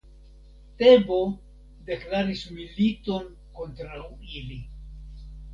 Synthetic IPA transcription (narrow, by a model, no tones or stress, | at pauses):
te̞bo̞ | deklaɾismilito̞n | ko̞ntɾawili